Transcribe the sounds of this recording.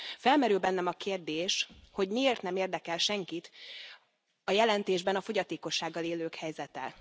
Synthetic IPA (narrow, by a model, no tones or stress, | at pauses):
fɛlmɛɾylbɛnːɛmɒkeːrd̪eːʃho̞ɟmieːrt̪nɛmeːrd̪ɛkɛlʃɛŋkit̪ | ɒjɛlɛnt̪eːʒbɛnɒfo̞ɟɒt̪eːko̞ʃːaːɡːɒleːløːkhɛjzɛt̪ɛ